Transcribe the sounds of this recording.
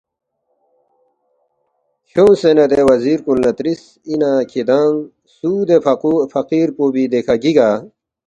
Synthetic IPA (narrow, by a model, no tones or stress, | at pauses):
hʰjõsenɐd̪ewɐziːɾkulnɐt̪ɾis | inaːkʰid̪aːŋ | suːd̪efɐqiːɾpoːbid̪ekʰaɡiɡaː